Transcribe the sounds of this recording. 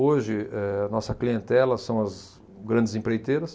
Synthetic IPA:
oʒɪɛɐnɔsɐkliẽnt̪ɛlɐsɐ̃w̃ɐz | ɡɾɐ̃nd͡ʒɪzĩpɾejt̪eɾɐs

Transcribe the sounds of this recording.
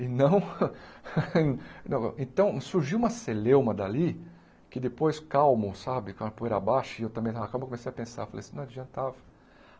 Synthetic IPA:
ɪnɐ̃w̃ | nɐ̃w̃ẽt̪ɐ̃w̃suɾʒiwũmɐselewmɐd̪ali | kɪd̪epojskawmosabɪkãpoeɾabaʃɐɪewt̪ɐ̃bẽj̃t̪avɐkalwmkomesejɐpẽsa̰falejsĩnɐ̃w̃ad͡ʒiɐ̃nt̪avɐ

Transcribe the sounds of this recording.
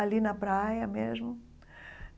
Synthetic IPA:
ɐlinɐpɾajɐmezmʊ

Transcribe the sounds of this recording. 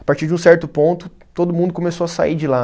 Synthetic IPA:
apaɾt͡ʃiɾd͡ʒɪũsɛɾt̪ʊpõnt̪ʊ | t̪od̪ʊmũnd̪ʊkõmesowɐsa̰id͡ʒɪla

